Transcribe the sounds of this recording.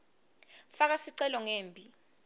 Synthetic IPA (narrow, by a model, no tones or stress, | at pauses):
fak̬asiǀɛlɔŋeːmbʱʼi